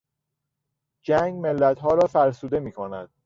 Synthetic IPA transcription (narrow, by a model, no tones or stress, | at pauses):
d͡ʒæŋɡme̞lːæt̪ɦɒːɾɒːfæɾsuːd̪e̞miːkʰonæd̪̥